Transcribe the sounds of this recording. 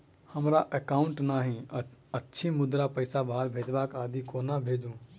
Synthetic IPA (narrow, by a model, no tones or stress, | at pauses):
həmɾaʔəkaʊɳʈnaːɦĩətːʃʰimʊd̪ɾapəɪsabʱaɾbʱed͡ʒbakaːd̪ikoːnabʱed͡ʒũ